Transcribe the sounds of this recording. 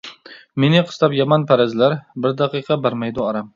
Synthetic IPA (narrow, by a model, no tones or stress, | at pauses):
me̞nɪqʰɨ̥st̪apjamanpʰaɾazlaɾbɪɾd̪ɑqɨqʰɑbaɾmajd̪ʊɒɾam